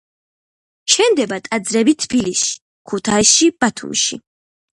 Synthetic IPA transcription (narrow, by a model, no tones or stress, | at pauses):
ʃʰɛnd̪ɛbat̪ʼad̪zɾɛbit̪ʰb̥ilisi̥ | kʰut̪ʰaisʃib̥at̪ʰṵmʃḭ